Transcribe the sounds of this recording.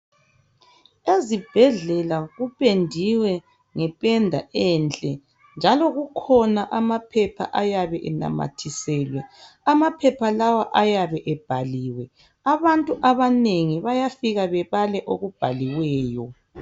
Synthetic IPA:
ezib̥ʱɛɮɛlaɣupʼendʱiwɛ | ŋɛpʼɛndʱa̰ʔɛnt͡ɬʼɛ | nd͡ʒʱalɔɣukʰɔnaʔamapʰɛpʰa̰ʔajaβɛʔɛna̰ma̰tʰisɛlwɛ | amapʰɛpʰalawaʔajaβɛʔɛb̥ʱaliːwɛ | aβantʼuʔaβaneŋiβajafiɣaβɛβalɛʔoɣub̥ʱa̰liwɛːjɔ

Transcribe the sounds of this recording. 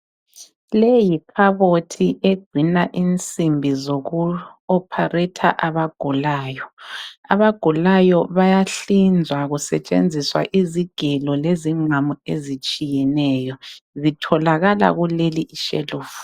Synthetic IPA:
lejipʰaβotʰiʔeɡ͡ǀʱinaʔint͡sʼimbʱizoɣuɔpʰarɛtʰa̰ʔaβaɡ̥ʱulaːjɔa̰βaɡ̥ʱulajɔβajaɬind͡zʱwaɣusɛ̰t͡ʃʼḛnd͡zʱiswa̰ʔiziɡ̥ʱɛlɔleziŋ͡ǀamuḛzit͡ʃʼijɛnɛːjɔzitʰɔlaɣala̰ɣuleliʔiʃḛluːvu

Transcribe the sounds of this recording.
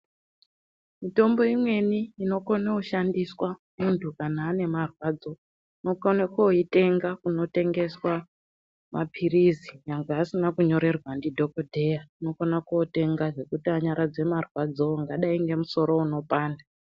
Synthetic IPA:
mito̞mbo̞imwe̞niːno̞konakuʃandiswamuntʰukanaːne̞marwaːd͡zo̞ | ino̞konakoite̞ŋɡakuno̞te̞ŋɡe̞swa | mapʰirizijaŋɡeɦasinakuɲo̞ɾe̞rwandidʱo̞kodʱe̞jaino̞konakuote̞ŋɡaʐe̞kutiaɲaɾad͡ze̞marwad͡zoŋɡaɗaiŋɡe̞muso̞ɾo̞uno̞paːnda

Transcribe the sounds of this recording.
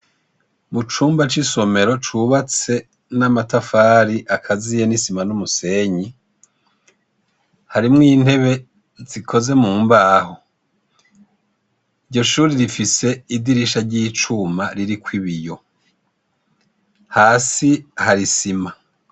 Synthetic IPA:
mut͡ʃuːmbat͡ʃiso̞me̞ɾo̞t͡ʃuβat͡se̞ | namatafaːɾiʔakʰazijenisimanumuse̞ɲi | haɾimŋiːn̥he̞βe̞ | zikʰo̞ze̞muːmbaːɦo | iɾɟo̞ʃuːɾiɾifise̞idiɾiʃaɾɟiːt͡ʃumaɾiɾikwiβijo̞ | haːsihaɾisima

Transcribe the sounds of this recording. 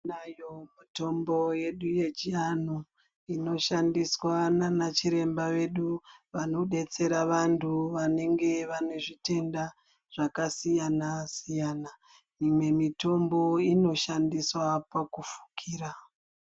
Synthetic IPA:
najomito̞mbo̞je̞ɗuje̞d͡ʒiano | ino̞ʃandiswananat͡ʃiɾe̞mbaʋe̞ɗuʋano̞ɗe̞t͡se̞ɾaʋantʰuʋane̞ŋɡe̞ʋano̞ʐite̞nda | ʐ̥akasijanasijana | mimwe̞mito̞mbo̞ino̞ʃandiswapakufu̥kʰiːɾa

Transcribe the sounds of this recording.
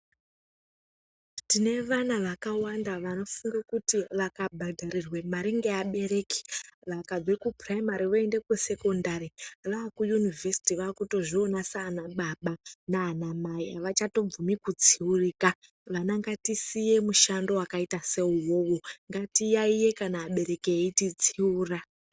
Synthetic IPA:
tine̞ʋanaʋakawandaʋano̞fuŋɡakutiʋakabʱadʱaɾirwe̞maɾiŋɡeaɓe̞re̞ki̥ʋakad͡zwekupraimaɾiʋoende̞kuse̞ko̞ndariʋaːkujunivʱesi̥tiʋaːkuto̞ʐionasaːnaɓaɓanaːnamaiaʋat͡ʃato̞b͡vumikud͡ziuriːka | ʋanaŋɡatisije̞muʃando̞wakaitase̞uwo̞woŋɡatijaije̞kanaːɓe̞ɾe̞keeitid͡ziuːra

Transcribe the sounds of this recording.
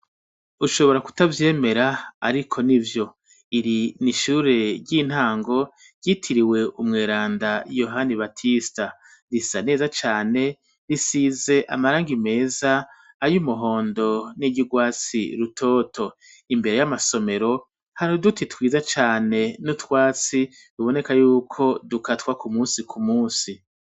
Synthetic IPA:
uʃo̞βo̞ɾaku̥tavje̞ːme̞ɾaaɾikʰo̞nivjo̞ | iɾiniʃuɾe̞ɾɟiːn̥haːŋɡo̞ | ɾɟitʰiɾiwe̞ʔumŋeːɾaːndajo̞ɦaniβatʰista | ɾisane̞ːzat͡ʃaːne̞ | ɾisize̞ʔa̰maɾaːŋɡime̞ːzaː | jumuɦo̞ːndo̞niɟuɡwaːt͡sḭɾutʰo̞ːtʰo̞ | imbe̞ɾe̞jamaso̞me̞ɾo̞ | haɾodutitwiːzat͡ʃaːne̞nutwaːt͡si | duβo̞ne̞kajuːkʰo̞dukatwakumuːsikʰumuːsi

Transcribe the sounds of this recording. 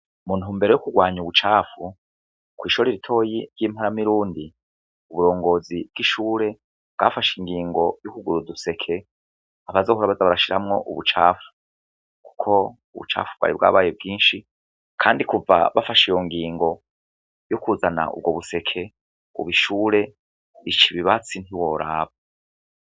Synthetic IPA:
mun̥huːmbe̞ɾe̞jokuɡwaːɲuβut͡ʃaːfu | kwiːʃoɾeɾitʰo̞ːjiɾjiːmhaɾamiɾuːndi | uβuɾo̞ːŋɡo̞ːzib̚ɡ̥iʃuːɾe̞ | b̥ɡaːfaʃiŋɡiːŋɡo̞jokuɡuɾuduse̞kʰe̞ | aβazo̞ːhoɾaβazaβaɾaʃiɾamŋo̞̰ʔṵβut͡ʃa̰ːfu̥ | ku̥kʰo̞ | uβṵt͡ʃa̰ːfubɡa̰ɾḭbɡa̰ːβaːjebɡiːnʃi | kʰaːndikuva̰βafaʃijoŋɡiːŋɡo̞ | jukuzana̰ʔṵb̚ɡoβuse̞kʰe̞ | ṵβiʃuːɾe̞ | it͡ʃiβiβat͡sintiwo̞ɾaːβo

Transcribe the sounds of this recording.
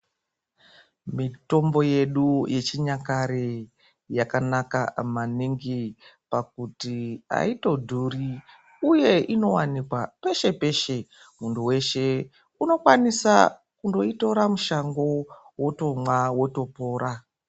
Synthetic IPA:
mito̞mbo̞je̞ɗuje̞t͡ʃiɲakaɾe | jakanakamaniŋɡipak̚utia̰ito̞dʱuri | uje̞ʔino̞wanikwape̞ʃe̞pe̞ʃe̞ | muntuwe̞ʃe̞ | uno̞kwanisa̰ | kundo̞ito̞ɾamuʃaŋɡo̞woto̞mwawo̞to̞po̞ːɾa

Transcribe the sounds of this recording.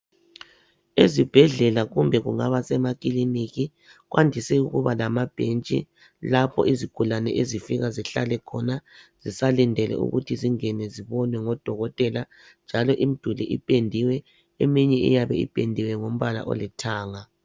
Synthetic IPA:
ezib̥ʱɛɮɛlaɣumbʱɛɣṵŋa̰βasɛmak̬ʼiliniɣi | ɣwʔandʱisɛuɣuβalamab̥ʱent͡ʃʼḭ | lapʰɔ̰ʔiziɡ̥ʱulanɛʔezifiɣaziɬa̰lɛkʰɔnaz̥isalindʱɛlɛ̰ṵɣṵtʰiziŋɛnɛziβɔnwɛŋɔd̥ʱɔɣɔtʼɛla | nd͡ʒʱalɔʔim̩d̥ʱuliʔḭpʼendʱiwɛ | emiɲɛḭjaβɛḭpʼendʱiwɛŋom̩βala̰ʔɔ̰lɛtʰaːŋa

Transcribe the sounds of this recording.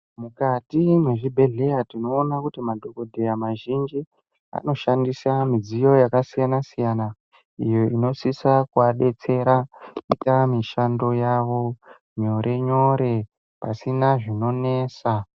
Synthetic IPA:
mukatimwe̞ʐibʱe̞ɮe̞jatinoːnakutimadʱoko̞dʱe̞jamaʒind͡ʒi | a̰no̞ʃandisamid͡zijo̞jakasijanasijana | ijo̞ino̞sisakuaɗe̞t͡se̞ɾaitamiʃando̞jaʋo̞ | ɲo̞ɾe̞ɲo̞ɾe̞ | pasinaʐino̞ne̞ːsa

